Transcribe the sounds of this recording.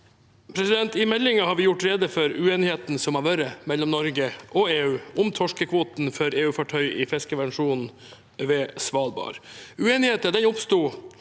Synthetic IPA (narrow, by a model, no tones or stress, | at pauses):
pʰɾɛsɪd̪ɛnt̪ɪmɛlːɪŋɑhɑːɾʋɪjʊʈːɾeːd̪əfɔɾʉeːnɪheːt̪n̩sɔmɑʋøːɾəmɛlːɔmnɔɾɡəʔɔeːʉːʊmt̪ʰɔʂkəkʰʋoːt̪nfœɾeːʉːfɑʈʰœʏʔɪfɛskəʋɛnʂuːnn̩ | ʋeːsʋɑːlbɑ̰ːɾʉeːnɪheːt̪əd̪ɛnʊpst̪uː